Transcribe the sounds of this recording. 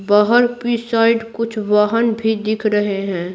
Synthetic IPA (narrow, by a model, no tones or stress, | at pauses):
baːɦəɾpisaːɪɖkʊt͡ʃʰʋaːɦənbʱid̪ɪkʰɾəɦeɦɛ̃ː